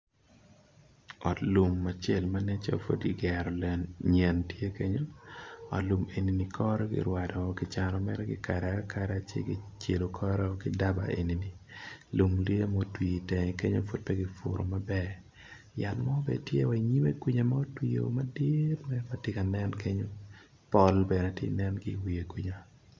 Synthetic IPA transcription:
ɔ˨tlu˨mːa˨t͡ʃe˦lma˦nɛ˦t͡ʃa̰fo̰˦dɡɪ˨ɡɛ˨ɾɔlɲɛ˨ntje˦ke˦ɲo˦ɔ̰˨lu˨me˨ni˨ni˨kʰɔ˦ɾɛ˦ɡɪ̰˨ɾwa˨dɔ˨ɡɪt͡ʃa˨ɾɔ˨mɛ̰˦ɾɛ˦ɡɪ̰˨ka˨ɾɛakʰaɾɛa˨t͡ʃḛ˦ɡɪ˦t͡ʃe˨lo˨kʰɔ˦ɾɛ˦ɔ˦ɡɪ˦da˦ba̰˨ʔḛ˨nini˨ | lu˨mli˦e˦mo˦twi˨tɛ˨ŋɛ˨ke˦ɲo̰˦fo˦t̚pɛ˦ɡɪ˨fʊ̰˨ɾo˨ma˦bɛ˦ | ja˨tmɔ˦bɛ̰˨tjḛ˦wa˨iɲi˦me˦kwi˦ɲa˨ma˦o˦twi˦jo̰˨madɪtmɛma˨tɪ˦ka˨nɛ˦nke˦ɲo˦ | pɔ˦lbɛ˨nɛ˨tḛ˦nɛ˦nɡɪwi˨e˨kwiɲa

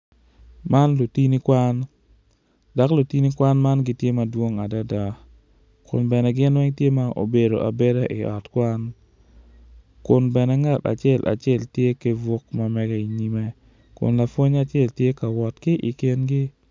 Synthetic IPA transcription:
ma˦nlo˨ti˦ni˦kwa˦n | da˨˦klo˨ti˦ni˦kwa˦nma˦nɡɪ˦tje˦ma˨dwo˦ŋa˨da˦da˨ | kʊ̰˨nbɛ˨nɛ˨ɡɪ˦nwɛ˦ŋtje˦ma˦ʔo̰˨be˨do˨ʔa˨be˦de˦ʔɪ˨ʔɔ˨tkwa˦n | kʊ˨nbɛ˨nɛ˨ŋa˦ta̰˨t͡ʃɪɛ˦˨lʔa̰˨t͡ʃɪɛ˦˨ltje˦ke˦vʊ˦kma˦mɛ˦ɡɛ˦i˨ɲi˦mɛ˦ | kʊ̰˨nla˨fwo˦ɲa˨t͡ʃɪɛ˦˨ltje˦ka˨wɔ˨tkɪ˦ʔi˨kɪ˦nɡɪ˦

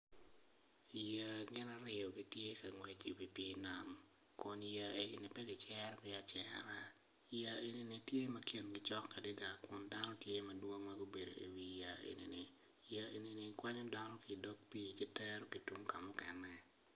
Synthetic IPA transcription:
i˨ja˨ɡɪ˦na˦ɾɪ˦ɔ˨ɡi˨tje˦ka˨ŋwe˨t͡ʃi˨wi˨pe˦na˨m | kʊ˨nja˨e˨ɡɪ˨nɪ˨pɛ˦ɡɪ˨t͡ʃɛ˦ɾpɪ˦a˨t͡ʃɛ˨ɾa˦ | ja˨e˨ni˦ni˨tje˦mɐ˦kʰe˦nɡɪ˨t͡ʃɔ˦kːa˨di˦da˨kʊ˨nda˦nɔ˦tje˦mɐ˨dwo˦ŋma˦ɡo˦be˨do̰˨ʔḭ˨wi˨ja˨ʔḛ˨nḭ˨nɪ˨ | ja˨e˨ni˨nɪ˨kwa˦ɲɔ˦da˦nɔ˦ki˨dɔ˦k̚pi˦˨kɛ˦tɛ˦ɾo˦ɡi˨tu˦ŋka˨mʊ˦kɛ˨nːɛ˨

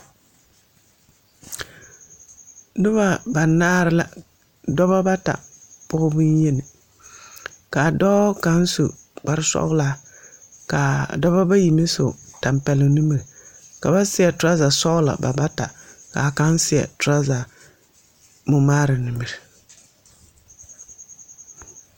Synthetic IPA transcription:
nɨ˦ba˦ba˨naː˦ɾɪ˦la̰˨ | dɔ˦ba˦ba˦ta̰˨pʊ˦ɣʊ˦bɨ˦n˦jɛ˦nɪ˨ | ka˨dɔː˦ka˦n˦su˨ | k͡pa˦ɾɨ˦sɔ̰˦ɣʊ˦la˦ | ka˨dɔ˦ba˦ba˦ji˨mɪ˦sʊ˨ta˨mpɛ˨lɪ˨nɪ˦mɨ˨ɾka˨ba˦sɪ˦jɛ˨tʊ˦ɾa˦za˨sɔ˦ɣʊ˦la̰˨ba˨ba˦ta˨ka˨ka˦n˦sɪ˦ɛ̰˨tʊ˨˦ɾa˦za˨ | mʊ˨maː˦ɾɨ˨nɨ˨mɨ˨ɾɪ˨

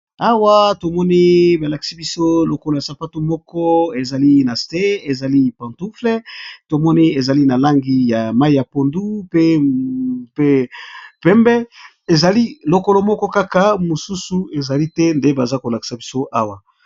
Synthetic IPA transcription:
a˦wa˦to˨mɔ˦ni˦ba˨la˨ki̥˨si˦bi˦so˦lo˨ko˨lo˨ja˨sa˨pa˦to˦mɔ˦kɔ˦e˨za˨li˦na˨ste˦e˨za˨li˦pã˨ntu˦fle˦to˨mɔ˦ni˦e˨za˨li˦na˨la˦ŋɡi˦ja˨ma˦i˦ja˨po˨ndu˦pe˦ | pe˦pɛ˦mbɛ˦ | e˨za˨li˦lo˨ko˨lo˨mɔ˦kɔ˦ka˦ka˨mo˨su˦su˨e˨za˨li˦tɛ˦nde˦ba˨za˦ko˨la˨ki̥˨sa˨bi˦so˦ʔa˦wa˨

